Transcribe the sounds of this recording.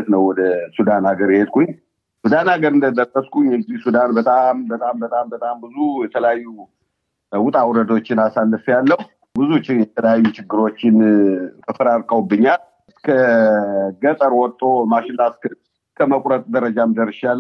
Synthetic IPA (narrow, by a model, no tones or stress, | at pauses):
t̪nəwwɔd̪əsud̪anaɡəɾjhe̞d̪̚kʰuɲ | sud̪anaɡəɾɨnd̪əd̪ət̪ːəskʰuɲjɛɡzihsud̪anbət̪ʼambət̪ʼambət̪ʼambət̪ʼambɨzujɛt̪ʰələjajːu | wʊt̪ʼawuɾəd̪ot͡ʃːɪnasalːɨfjalːəhu | bɨzut͡ʃjɛt̪ʰələjajːut͡ʃɪɡːɨɾo̞t͡ʃːɪnfʰəfəɾaɾkʼəwbːɨɲːal | skʰə | ɡət̪ʼəɾwɔt̪ʼːomaʃɪnːask | skʰəməkʼɾət̪ʼd̪əɾəd͡ʒamd̪ərːəʃalː